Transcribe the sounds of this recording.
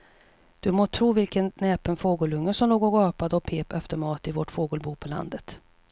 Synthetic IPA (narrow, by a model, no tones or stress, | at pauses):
d̪̥ɵmoːt̪ʰɾuːvɪlkənnɛːpənfoːɡəlɵŋːəsɔmloːɡɔːɡɑːpad̪əɔpʰeːpɛft̪əɾmɑːt̪ɪvoʈfoːɡəlbuːpʰɔla̰nd̪ət̪